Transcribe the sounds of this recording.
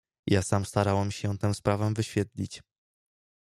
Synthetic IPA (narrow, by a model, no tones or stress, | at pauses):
jasamst̪aɾawɛmɕɛ̃t̪ɛw̃spɾavɛ̃vɘɕfʲjɛt̪lʲit͡ɕ